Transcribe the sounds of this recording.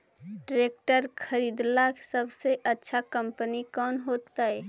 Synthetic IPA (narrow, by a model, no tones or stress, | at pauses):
ɖɾeːk̚ʈəɾkʰəɾiːd̪laksəbseʔətːʃʰakə̃mpənikɔːnɦoːt̪aɦɛː